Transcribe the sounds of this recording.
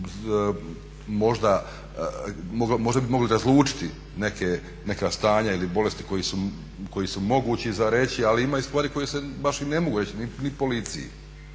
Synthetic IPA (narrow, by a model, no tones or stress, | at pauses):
mo̞ʒd̪a | moɡlmo̞ʒd̪abimo̞ɡliɾazlˠuːt͡ʃi̥t̪i | ne̞ke | ne̞kast̪aːɲailibo̞le̞st̪i̥ko̞jisu | ko̞jisumo̞ɡuːt͡ɕizaɾe̞t͡ɕialiimaːist̪ʋaːɾiko̞jesebaʃine̞mo̞ɡuɾe̞t͡ɕininipo̞lit̪sḭjḭ